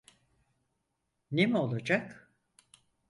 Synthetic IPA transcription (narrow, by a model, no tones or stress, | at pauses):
nemio̞lˠad͡ʒak